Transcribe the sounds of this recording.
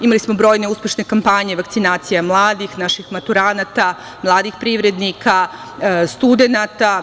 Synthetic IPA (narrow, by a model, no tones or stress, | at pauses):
imalismo̞bɾo̞ːjne̞uspʲje̞ʃne̞kampaɲe̞ʋakt̪sinaːt̪sijamlˠaːd̪ixnaʃixmat̪uɾaːnat̪a | mlˠaːd̪ixpɾiʋɾe̞d̪nikʰa | st̪ud̪e̞nat̪a